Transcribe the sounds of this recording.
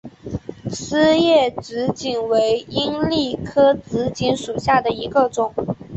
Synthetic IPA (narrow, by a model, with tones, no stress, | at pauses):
sɹ̩˥jɛ˥˩ʈ͡ʂɻ̩˧˥t͡ɕi˨˩nwe˧˥ɪi˥ŋli˥˩kʰɤ˥t͡sɹ̩˧˥t͡ɕi˧˥nʂu˨˩ɕja˥˩d̪ə˩i˧˥ɡə˧ʈ͡ʂʊ˨˩˦ŋ